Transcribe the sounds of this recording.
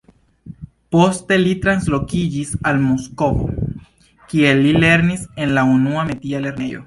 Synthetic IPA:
post̪elit̪ɾanslo̞kid͡ʒisalmoskovo̰ | kielile̞ɾnise̞nlaunuamet̪iale̞ɾnejo̰

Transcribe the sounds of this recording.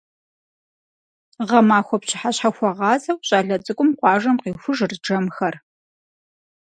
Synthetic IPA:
ʁɐmaːxʷɔpɕʰɪħaɕħaxʷɔʁɑːzɐwɕʼaːɮɐt͡sʼɨkʷʼʊmqʷɑːʒɐmqiːxʷʊʐrd͡ʒɐmxɐr

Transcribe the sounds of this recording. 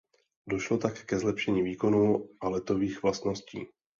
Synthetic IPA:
do̞ʃlo̞t̪akɛ̥kɛzlɛpʃɛɲiːviːko̞nuːʔalɛt̪o̞viːxvlast̪no̞scḭː

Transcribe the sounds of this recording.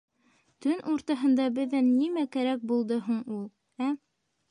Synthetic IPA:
t̪ɵnʔuɾt̪ɑɦɤ̆nd̪ɑbɘ̆ðːænːimækæɾæk̚bulˠd̪ɤɦuɴulˠ | æ

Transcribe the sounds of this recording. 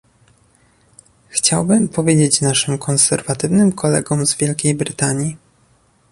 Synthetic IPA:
xt͡ɕawbɘmpʰɔvʲjed͡ʑet͡ɕnaʂɘmkʰɔnsɛ̰ɾvat̪ɘvnɘmkʰɔlɛ̰ɡɔmzvʲjɛlkʲejbɾɘt̪aɲji

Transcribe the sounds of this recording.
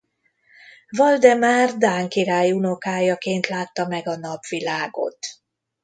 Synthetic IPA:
vɒld̪ɛmaːrd̪aːŋkiɾaːjuno̞kaːjɒkeːnt̪laːt̪ːɒmɛɡɒnɒpʋilaːɡo̞̰t̪

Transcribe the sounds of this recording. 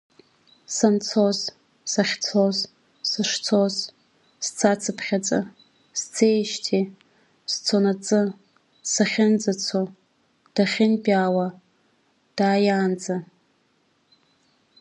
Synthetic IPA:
sant͡sʰoz | saχʲt͡sʰoz | sɨʂt͡sʰoz | st͡sʰat͡sʰɨpʰχʲat͡sʼɨ̰ | st͡sʰejʃtʰi | st͡sʰonat͡sʼɨ | saχʲɪnd͡zʼat͡sʰo | d̥aχʲɪnbʲʼaːwa | d̥aːjaːnd͡za

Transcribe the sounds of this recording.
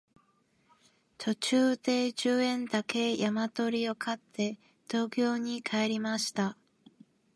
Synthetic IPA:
t̪ʰo̞t͡ɕɨːd̪̥e̞d͡ʑɨːẽ̞nd̪ake̞jamat̪o̞ɾʲio̞kʰat̪ʰːe̞ | d̪̥o̞ːkʲo̞ːɲ̟ikʰaeɾʲimaɕi̥t̪a

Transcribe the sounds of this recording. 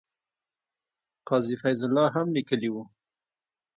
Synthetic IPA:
qɑzifajzʊlːɑɦamlikəliwu

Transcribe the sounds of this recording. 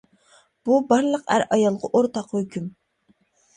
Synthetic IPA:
b̥ubɑɾlˠəqæ̰ɾɑjɑlˠʁɑʔoɾt̪ɑqhøkʲʰym

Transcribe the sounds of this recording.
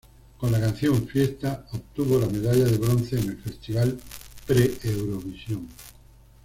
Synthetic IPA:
kõnlakãnθjõ̞ɱfjest̪aopt̪uβolame̞ðaʎaðeβɾon̟θeːnelfe̞st̪iβalpɾeewɾoβisjõŋ

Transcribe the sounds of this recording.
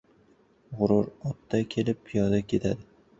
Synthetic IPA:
ʁʊɾʊɾɒt̪ːakʲʰe̞lɪp̚pʰijɒd̪akʲʰe̞t̪ʰad̪ɪ

